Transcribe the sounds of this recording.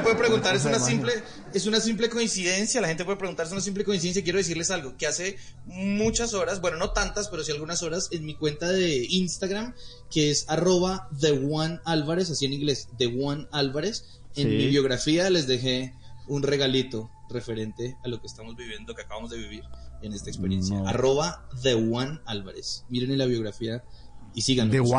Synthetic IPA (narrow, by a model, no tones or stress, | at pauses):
pweðepɾeɣunt̪aɾesunasimple | esunas̬imple̞ko̞insiðe̞nsjalaxent̪epweepɾeɣunaɾesunasimp̬leko̞insiðensjaikjeɾes̬iɾle̞salɡoke̞ase̞ | mut͡ʃaso̞ɾasbwe̞no̞no̞t̪ant̪aspe̞ɾo̞sialɡunaso̞ɾase̞nmikwe̞nt̪aðe̞inst̪aɣɾam | ke̞esaro̞βaðeɣwanalβaɾe̞s̬asienĩŋɡle̞sd̪e̞ɣwanalβaɾe̞s | enmiβjo̞ɣɾafiale̞zd̪e̞xe̞unre̞ɣalit̪o̞re̞fe̞ɾe̞nt̪e̞alo̞kest̪amo̞zbiβje̞nd̪oke̞akaβamo̞zd̪e̞βiβiɾene̞st̪aekspeɾje̞nsa̰aro̞βaðeɣwanalβa̰ɾḛsmiɾenelaβjo̞ɣɾafiaisiɣano